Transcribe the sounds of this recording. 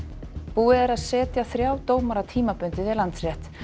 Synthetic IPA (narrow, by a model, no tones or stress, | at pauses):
puːɛðɛɾaðsɛːt̪jaθɾjaːwt̪oːwmaɾat̪ʰiːmapʏnt̪ɪðɪlant̪sɾɛht̪